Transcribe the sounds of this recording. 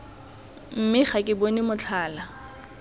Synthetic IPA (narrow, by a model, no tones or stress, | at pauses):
m̩mɪχakʼɪbonɪmʊt͡ɬʰaːla